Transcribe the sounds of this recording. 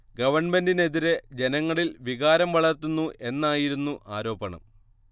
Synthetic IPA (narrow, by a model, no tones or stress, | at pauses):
ɡɐʋɐrɳme̞ndine̞ðiɾe̞d͡ʑe̞nɐŋːɐɭilʋiɣaːɾɐmʋɐɭɐrt̪ːunːuʔe̞nːaːjiɾunːuʔaːɾo̞ːbɐɳɐ̰m